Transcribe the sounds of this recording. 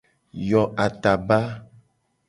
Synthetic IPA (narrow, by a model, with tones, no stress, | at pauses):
jɔ˨ʔa˨t̪a˨ba˦